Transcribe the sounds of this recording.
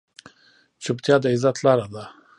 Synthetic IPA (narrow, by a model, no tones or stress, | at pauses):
t͡ʃʊpt̪jɑd̪əizat̪lɑɾad̪a